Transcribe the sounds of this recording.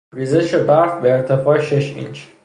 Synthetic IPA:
ɾizeʃebæɾfbeeɾt̪ʰefɒːeʃeʃḭnt͡ʃʰ

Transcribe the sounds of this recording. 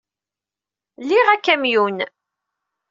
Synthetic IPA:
liʁækːæmjun

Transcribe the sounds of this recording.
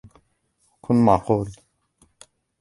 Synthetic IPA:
kʰunmaqoːl

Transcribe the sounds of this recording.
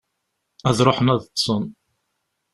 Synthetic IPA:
æðɾˤoħənæðt̪ːsˤən

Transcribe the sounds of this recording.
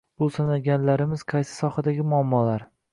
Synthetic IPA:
bolˠsanaɡʲanlaɾɪmɪz̥qʰɑjsɪ̥sɒχad̪aɡʲɪmʊamːɒlaɾ

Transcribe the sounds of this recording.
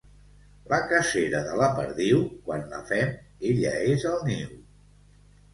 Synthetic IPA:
ləkəseɾəðələpəɾðiwkwanlə̰fɛm | eʎəezəlˠniw

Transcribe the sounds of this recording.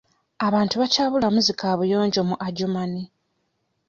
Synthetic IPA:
aβaːntuβacaːβulamuzikʰaːβujo̞ːɲɟo̞muʔaɟomani

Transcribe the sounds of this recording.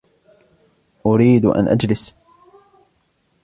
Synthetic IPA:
ʔʊɾiːd̪ʔa̰nʔad͡ʒlɪs

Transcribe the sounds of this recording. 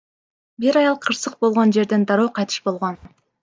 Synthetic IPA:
biɾɑjɑlˠqʰɯɾsɯq̚bo̞lˠʁo̞nd͡ʒe̞ɾd̪e̞nd̪ɑɾoːqʰɑjt̪ʰɯ̥ʃbo̞lˠʁo̞n

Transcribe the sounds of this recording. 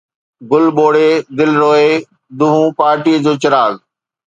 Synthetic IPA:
ɡʊlɓoːɽed̪ɪlɾoːe | d̪uɦũpaːɾʈiːəd͡ʑoːt͡ɕɐɾaːl

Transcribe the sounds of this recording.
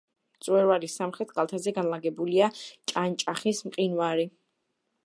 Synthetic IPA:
t̪sʼwɛɾvaɾisamχɾɛt̪ʰɡalˠt̪ʰazɛɡanlaɡɛbuliat͡ʃʼant͡ʃʼaχismqʼinwaɾi

